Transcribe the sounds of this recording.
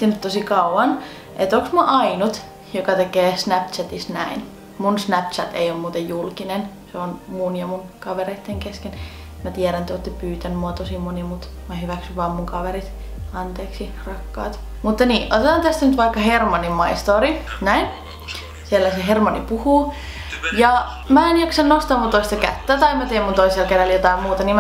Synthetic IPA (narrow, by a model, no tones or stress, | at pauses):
t̪ːinyt̪t̪osikɑuʋɑn | ʔet̪oksmuɑʔɑinut̪ | jokɑt̪ekeːsnæp̚t͡ʃæt̪isnæ̰in | munsnæp̚t͡ʃæt̪ḛiommuːt̪ejjulkinenseonmunjɑmunkɑʋereit̪ːeŋkesken | mæt̪iæɾænt̪oˑt̪ːepyːt̪ænymuɑt̪osimonimut̪ | mɑhyʋæksyʋʋɑːmmuŋkɑʋerit̪ | ɑnt̪eːksi | rɑkːɑ̰ːt̪ | mut̪ːɑniːʔo̰t̪et̪ɑnt̪æst̪ænyt̪ʋɑikːɑhermɑnimɑist̪oːrinæin | sielːæseɦermɑnipuhuː | jɑ | mæenjɑksɑnnost̪ɑːmut̪oist̪ɑkæ̰t̪ːæːt̪ɑimæt̪eimːunt̪oiselkerɑljot̪ɑimmuːt̪ɑniːm